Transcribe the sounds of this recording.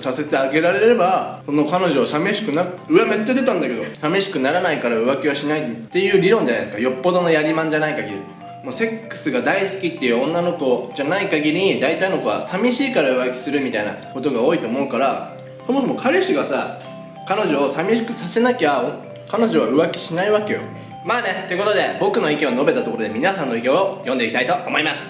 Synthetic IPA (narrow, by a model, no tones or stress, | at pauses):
sase̞t̪e̞aɡe̞ɾaɾe̞ɾe̞ɾe̞baso̞nokano̞ʑo̞ːsame̞ɕi̥kɯ̟naɯ̟ame̞t̪ːod̪e̞t̪ãnd̪ake̞d̪o̞same̞ɕi̥kɯ̟naɾanaikaɾaɯ̟βakʲiβaɕinait̪ːe̞jɯ̟ːɾʲiɾõ̞ɲ̟d͡ʑanaesɨ̥kajo̞pːo̞d̪o̞no̞jaɾʲimãɲ̟d͡ʑanaikaɡʲiɾʲḭ | moːse̞kːɯ̥sɨɡad̪aisɨ̥kʲit̪ːe̞jɯ̟õ̞nːano̞ko̞d͡ʑanaikaɡʲiɾʲiɲid̪ait̪aino̞koβa̰samʲiɕiːkaɾaɯ̟βakʲi̥sɨɾɯ̟mʲit̪aina̰ko̞t̪oɡao̞ːit̪o̞ːmo̞ɯ̟kaɾa | so̞mo̞so̞mo̞kʰaɾɯ̟ɕiɡasa | kano̞ʑo̞ːsamʲiɕkɯ̟sase̞nakʲao | kano̞ʑo̞βaɯ̟βakʲi̥ɕinaiβake̞jo̞̰ | maːnet̪eɯ̟ko̞t̪o̞d̪e̞bo̞kɯ̟no̞ike̞ono̞be̞t̪at̪o̞koɾo̞d̪emʲinasãnːo̞ikeojõ̞nd̪e̞ikʲit̪ait̪o̞ːmo̞imasɨ̥